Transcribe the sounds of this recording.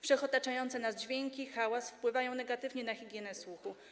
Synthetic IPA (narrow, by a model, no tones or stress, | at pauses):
fʂɛxɔt̪at͡ʂajɔnt̪sɛnazd͡ʑvʲjeŋkʲixawasfpwɘvajɔ̃w̃nɛɡat̪ɘvɲɛnaxʲiɡʲjɛnɛswuxu